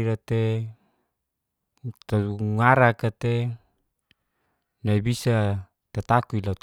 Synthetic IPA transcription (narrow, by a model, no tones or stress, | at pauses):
ɾat̪e | t̪auŋaɾakat̪e | naibisa | t̪at̪akuilaut̪